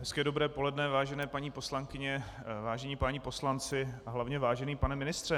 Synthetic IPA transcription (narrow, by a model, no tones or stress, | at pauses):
ɦɛskɛːdo̞bɾɛːpo̞lɛdnɛvaːʒɛnɛːpaɲiːpo̞slaŋkɪɲɛ | vaːʒɛɲiːpaɲipo̞slant͡sɪaɦlavɲɛvaːʒɛniːpanɛmɪnɪst̪r̥ɛ